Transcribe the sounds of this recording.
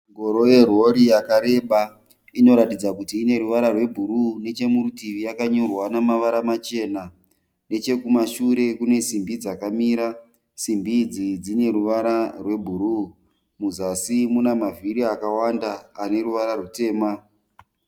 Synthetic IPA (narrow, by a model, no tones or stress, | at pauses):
ŋɡo̞ɾo̞je̞rwo̞ɾijakaɾe̞ɓa | ino̞ɾatid͡zakutiːne̞ɾuʋaɾarwe̞bʱuɾune̞t͡ʃe̞muɾutiʋijakaɲorwanamaʋaɾamat͡ʃe̞ːna | ne̞t͡ʃe̞kumaʃuɾe̞kune̞simbid͡zakamiːɾa | simbid͡zid͡zine̞ɾuʋaɾarwe̞bʱuɾu | muzasimunamaviɾiakawandaːne̞ɾuʋaɾarute̞ːma